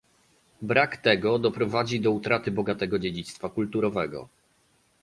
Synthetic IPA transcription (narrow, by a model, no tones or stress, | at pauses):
bɾakt̪ɛɡɔd̪ɔpɾɔvad͡ʑid̪ɔut̪ɾat̪ɘbɔɡat̪ɛɡɔd͡ʑed͡ʑit̪st̪fakult̪uɾɔvɛɡɔ̰